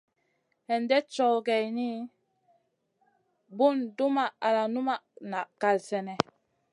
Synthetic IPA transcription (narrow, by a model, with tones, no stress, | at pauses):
hɛ˨ndɛ˦t͡ʃɔ˨wɡɛ˨jni˦ | bu˦˨ndu˦ma˨a˨la˨nu˦ma˦˨na˨ʔka˨lsɛ˨nɛ˨